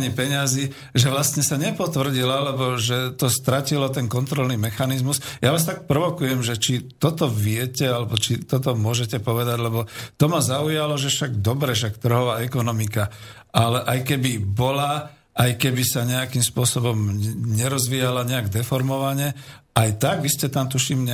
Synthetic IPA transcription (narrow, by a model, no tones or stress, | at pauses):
ɲipɛɲazi | ʒɛʋlast̪ɲɛsaɲɛpɔt̪ʋr̩ɟilalɛbɔʒɛt̪ɔst̪ɾacilɔt̪ɛnkɔnt̪ɾɔlnimɛxanizmusjaʋaːst̪ak̚pɾɔʋɔkujɛmʒɛt͡ʃit̪ɔt̪ɔʋɪɛcɛalɛbɔt͡ʃit̪ɔt̪̬ɔmʊɔʒɛcɛpɔʋɛd̪aɟlɛbɔt̪ɔmazaujalɔʒɛʃaɡ̚d̪ɔbɾɛfʃakt̪r̩ɦɔʋaːɛkɔnɔmika | alɛʔajkɛbibɔla | ʔajkɛbisaɲɛakimspʊɔsɔbɔmɲɛɾɔzʋijalaɲɛaɡd̪ɛfɔɾmɔʋaɲɛʔajt̪aɡʋiscɛt̪amt̪uʃiːmɲɛ